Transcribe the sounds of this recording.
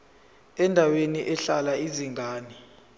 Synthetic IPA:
ɛndʱaweniʔɛɬalaiziŋɡaːni

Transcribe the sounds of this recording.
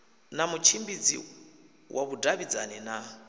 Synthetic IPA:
namut͡ʃʰimbid͡zḭ | wʔaβudaβid͡zanɛna

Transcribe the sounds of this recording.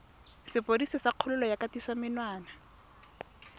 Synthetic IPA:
sɪpodisɪsaq͡χʰʊlʊlɔjakatiswamɪnwaːna

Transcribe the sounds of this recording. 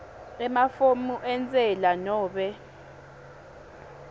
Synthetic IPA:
ɛmafomuʔɛnt͡sʼɛlanɔːɓɛ

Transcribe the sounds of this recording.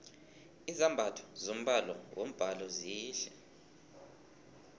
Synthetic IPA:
izambʱatʰɔ̥zom̩ɓalɔ̰wom̩b̥ʱalɔziːʃɛ

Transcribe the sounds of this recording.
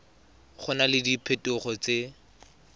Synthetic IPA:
χʊnalɪdipʰetʊχɔt͡se

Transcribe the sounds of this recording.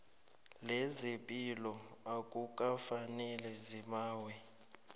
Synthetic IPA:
lɛzepʼilɔakʼuk̬ʼafanɛlɛzimaːwɛ

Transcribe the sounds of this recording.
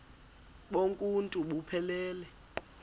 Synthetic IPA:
ɓoŋkʼuntʼuɓupʰɛlɛːlɛ

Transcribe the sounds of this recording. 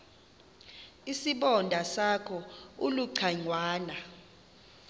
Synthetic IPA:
isiɓɔndʱasakʰɔuluǀʰaŋwaːna

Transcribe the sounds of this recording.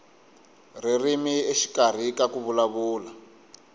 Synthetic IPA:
r̤irimieʃi̥kar̤ikakuβulaβuːla

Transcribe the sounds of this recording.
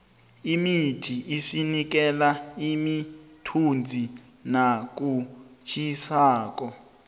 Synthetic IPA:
imitʰiʔisinik̬ɛlaimitʰund͡zʱi | nak̬ut͡ʃʰisaːk̬ɔ

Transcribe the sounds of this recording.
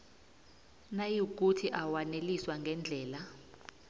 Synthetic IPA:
najik̬utʰiʔawaneliswaŋɡʱɛnd͡ɮʱɛːla

